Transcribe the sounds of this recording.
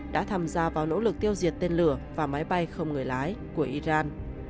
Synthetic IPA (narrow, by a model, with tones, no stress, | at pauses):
ɗa̰ː˧˥t̪ʰaː˧mzaː˧vaː˨˩wno̰˧˥lɨ˨˩k̚t̪i˧əwzi˨˩ət̚t̪e˧nlɨ˧˩əvaː˨˩maː˨˦jɓa˧jxə˧wŋ͡mŋɨ˨˩əjlaː˨˦jku˧˩əʔi˧zaː˧n